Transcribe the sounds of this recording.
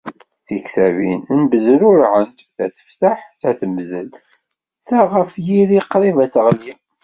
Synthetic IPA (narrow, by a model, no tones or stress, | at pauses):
θikθævḭnnbəzəlʊɾʕənt̪θæθə̥ft̪aħθæθəmzəl | θæʁəfjiðiqːɾivæt͡sːʁlim